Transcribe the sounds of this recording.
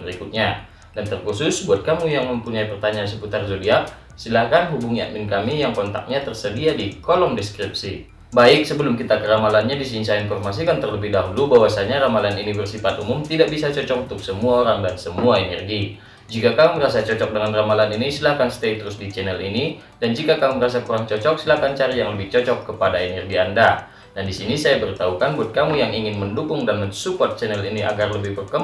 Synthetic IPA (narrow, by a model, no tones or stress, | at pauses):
əɾikut̪̚ɲa | dant̪ərkusʊsbuat̪̚kamujaŋməmpuɲaipərt̪aɲaansəput̪arzodia | silahkanɦubuŋia̰ʔmɪnkamijaŋkɔnt̪a̰k̚ɲat̪ərsədiadikolɔŋdɛskɾip̚si | baɪk̚səbəlʊmkit̪akəɾamalanɲadis̬insainfɔrmas̬ikant̪ərləbɪhdaɦulubawasaɲaɾamalaninifərsipat̪umʊmt̪idaʔbisat͡ʃɔt͡ʃɔk̚ut̪ʊk̚səmuaoɾaŋdansəmuaɛnɛrɡi | d͡ʒikakamuməɾasat͡ʃɔt͡ʃɔk̚dəŋanramalaninisilahkanst̪ɛt̪əɾʊsdit͡ʃɛnɛlini | dand͡ʒikakamuməɾas̬akuɾaŋt͡ʃɔt͡ʃɔk̚silahkant͡ʃaɾijaŋləbɪht͡ʃɔt͡ʃɔkːəpadaɛnɛrɡianda | dandisinisajabəɾit̪aukanbuat̪̚kamujaŋiŋɪnməndukʊŋdanməɲsupɔt̪̚t͡ʃɛnɛliniʔa̰ɡarləbɪhbərkə